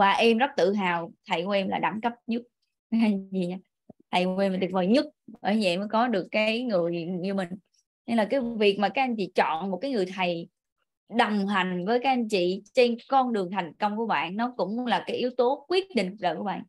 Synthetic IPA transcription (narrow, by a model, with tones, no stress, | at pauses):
vaː˨˩ʔɛ˧mzə˦˥t̚t̪ɨ̰˧˨ɦaː˨˩wt̪ʰə˨˩jku˨˧˦ʔɛ˧mlaː˨˩ɗa˧˩˦ŋkə˦˥p̚ɲɨ˦˥t̚ː | a˧˩zi˨˩ɲaː˧ | t̪ʰə˨˩jke˧mlaː˨˩ɗ̪̚vəː˨˩jɲɨ˦˥t̚ʔəː˧˩˦ɲɛ̰˧˨məː˨˦jkɔ˨˦ɗɨ˨˩əkːaː˦˨˦jŋɨ˨˩əjɲɨ˧mï˨˩ŋ̟ | ɲɛ˧ŋlaː˨˩kaː˨˦jvi˨˩ək̚maː˨˩kaː˦˥k̚ʔa˧nt͡ɕḭ˧˨t͡ɕɔ̰˧˨nmo˨˩t̚kaː˨˦jŋɨ˨˩əjt̪ʰə˨˩j | ɗə˨˩wŋ͡mɦa˨˩jŋ̟vəː˨˦jkaː˨˦˥ʔa˧nt͡ɕḭ˧˨t͡ɕe˧nkɔ˧nɗɨ˨˩əŋt̪ʰa˨˩jŋ̟kə˧wŋ͡mku˧˩əɓa̰ː˧˨nnɔ˨˦kʊ̰˧˥ŋ͡mlaː˨˩kaː˨˦jʔi˨˦əwt̪o˨˦kwi˦˥ət̚ɗḭ˧˨ŋ̟zə̰ː˨jku˧˩˦ɓa̰ː˧˨n